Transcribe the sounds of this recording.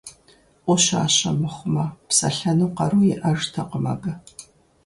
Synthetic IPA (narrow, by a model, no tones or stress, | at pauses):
ʔʷɔɕa̰ːɕɐmɨχʷʊmɐpsɐ̰ɬɐnɨwqɐɾuːjɪʔɐʐtʰɐqəmɐ̰ɡɐ